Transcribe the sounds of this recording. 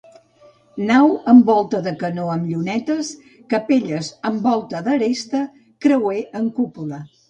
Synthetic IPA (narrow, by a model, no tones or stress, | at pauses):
nawəmbɔlˠt̪əðəkənoəmʎunɛt̪əs | kəpeʎəzəmbɔlˠt̪əðəɾest̪ə | kɾəweʔəŋkupulə